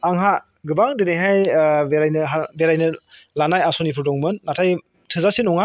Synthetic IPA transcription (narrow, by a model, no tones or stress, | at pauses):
aŋɦa | ɡɯbaŋdeneɦajbeɾajnɯɦabeɾajnɯ | lanajasɔnipʰɯɾdɔŋmɯnːatʰaj | tʰɯzasinɔŋa